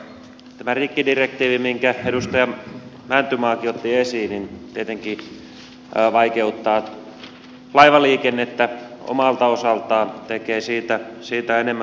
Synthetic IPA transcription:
t̪æmærikːidirek̚t̪iːʋimiŋkæedust̪ɑjɑ | mænt̪ymɑːkiot̪ːiesiːnint̪iet̪eŋki | ʋɑikeut̪ːɑː | lɑiʋɑliːkenːet̪ːæo̰mɑlt̪ɑosɑlt̪ɑːnt̪ekeːsiːt̪æsiːt̪æenemːæ

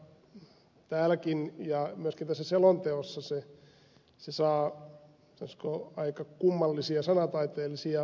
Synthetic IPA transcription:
t̪æːlækinjɑmyøskint̪æsːæselont̪eosːɑse | sesɑː | sɑnoskoɑikɑkumːɑlːisiɑsɑnɑt̪ɑit̪eːlːisiɑ

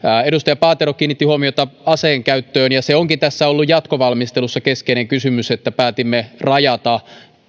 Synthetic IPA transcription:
eɾust̪ɑjɑpɑːt̪eɾokːiːnːit̪ːihuomiot̪ɑɑseːŋkæyt̪ːøːnjɑseoŋkint̪æsːæolːujjɑt̪koʋɑlmist̪elusːɑkeskeineŋkysymyset̪ːæpæːt̪imːerɑjɑt̪ɑ

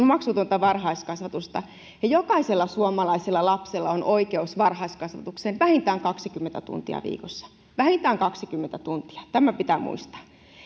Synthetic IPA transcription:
nmɑksut̪uont̪ɑʋɑrhɑiskɑsʋɑt̪ust̪ɑ | jɑjokɑiselːɑsuomɑlɑiselːɑlɑpselːɑonʔoikeusʋɑrhɑiskɑsʋɑ̰t̪uksenʋæhint̪æːŋkɑksikymːent̪æt̪ṵnt̪ḭɑ̰ʋḭːkosːɑ̥ | ʋæhint̪æːŋkɑksikymːent̪æt̪unt̪i̥ɑ̥t̪æmæpit̪æmṵist̪ɑ̥

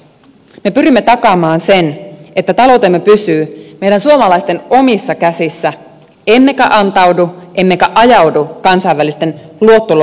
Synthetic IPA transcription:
me̞pyɾimːet̪ɑkɑmɑːnse̞ne̞t̪ːæt̪ɑlo̞wt̪e̞mːepysyːme̞jɾænsuomɑlɑist̪e̞no̞misːɑkæsisːæ | emːe̞kæʔɑnt̪ɑwduʔe̞mːekæʔɑjɑwdukɑnsɑjʋːælist̪e̞nluo̞t̪ːol

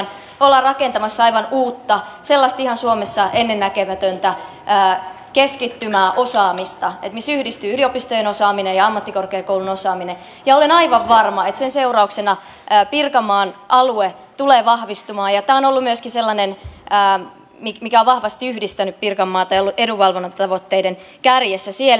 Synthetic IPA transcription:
n | olːɑrrɑkent̪ɑmɑsːɑiʋɑnuːt̪ːɑselːɑst̪ihɑnsuomesːɑʔenːenːækømæt̪ønt̪æ | əː | keskit̪ːymæːʔosɑːmist̪ɑet̪misyhdist̪yːyliopist̪ojenosɑːminejɑɑmːɑt̪ːikorkeɑkoulunosɑːmine | jɑolenɑiʋɑʋʋɑrmɑet̪senseurɑuksenɑ | əːpirkɑmːɑːnʔɑlue | t̪uleːʋɑhʋist̪umɑːjɑt̪æːonolːumyøskiselːɑnenəː | mimikæoʋʋɑhʋɑst̪iyhdist̪ænyppirkɑmːɑːt̪ɑjolːuʔeduʋɑlʋonːɑt̪ɑʋot̪ːeiden | kærjesːæsiel

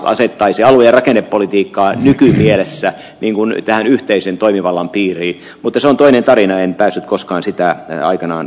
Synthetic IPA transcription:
ʔɑ̰set̪ːɑisiɑlujɑrɑkenːeppolit̪iːkːɑːnykymielesːæ | nʔiːŋkunt̪æhænyht̪eisent̪oimiʋɑlːɑmpiːriː | mut̪ːɑseont̪oinent̪ɑrinɑenpæːsːyt̪̚koskɑːnsit̪æɑ̰ikɑnɑ̰ːn

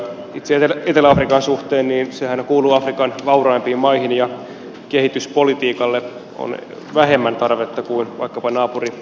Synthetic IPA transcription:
it̪seet̪elet̪elæɑfrikɑnsuht̪eːnniːnsehænkuːluːɑfrikɑnʋɑurɑimpiːmmɑihinjɑ | kehit̪yspolit̪iːkɑlːe | o̰n | ʋæɦemːænt̪ɑrʋet̪ːɑkuinʋɑ̰ikːɑpɑnɑːpuri

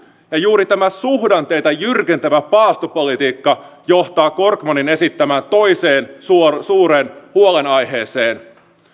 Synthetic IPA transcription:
jɑjuːɾit̪æmæsuɦdɑnt̪e̞jt̪ɑjyrk̟ent̪æʋæpɑːst̪upolit̪iːkːɑjo̞ht̪ɑːko̞rkmonine̞sit̪ːæmænt̪o̞jse̞ːnsusuːɾe̞ːnhuole̞nɑjɦe̞ːse̞ːn

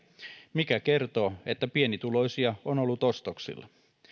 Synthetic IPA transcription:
mikæke̞rt̪o̞ːet̪ːæpienit̪ulo̞isiɑonolːut̪ost̪oksḭlːɑ

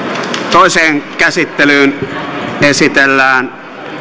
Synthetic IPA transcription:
t̪oˑeseːŋkæsit̪ːelyːn | esit̪elːæːn

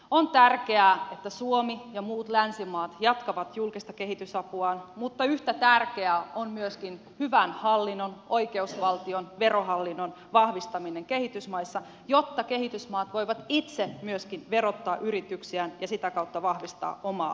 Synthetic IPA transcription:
ont̪ærkeæːet̪ːæsuomijɑmuːt̪lænsimɑːt̪jɑt̪kɑʋɑt̪julkist̪ɑke̞ɦit̪ysɑpuɑːnmut̪ːɑyht̪æt̪ærkeæonmyøskin | hyʋænhɑlːinːono̞ike̞usʋɑlt̪ionʋeroɦɑlːinːon | ʋɑhʋist̪ɑmineŋkehit̪ysmɑisːɑ | jot̪ːɑke̞hit̪ysmɑːt̪ʋo̞iʋɑt̪it̪semyøskinʋerot̪ːɑːʔyɾit̪yksiænjɑsit̪ækɑut̪ːɑʋɑhʋist̪ɑ̰ːʔomɑ̰ː

